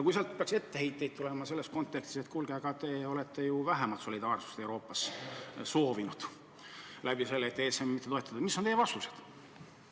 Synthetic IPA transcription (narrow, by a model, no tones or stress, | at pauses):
ɑkuijseɑlt̪̚peɑkse̞t̪ːe̞hejt̪ːˑe̞jd̪̚t̪ule̞mɑse̞lːe̞sko̞nt̪ːˑe̞kst̪iset̪kulɡ̥eɡ̥ɑt̪e̞o̞le̞t̪ːe̞juvæɦemɑlt̪so̞lʲid̪ɑːrsu̥st̪e̞wɾo̞ːpːˑɑsso̞ːvinud̪̥ | læb̥ise̞lːeeːt̪ːˑesemmit̪ːeo̞e̞t̪ːˑɑd̪ɑmisːont̪ejːvɑst̪use̞̥d̪̥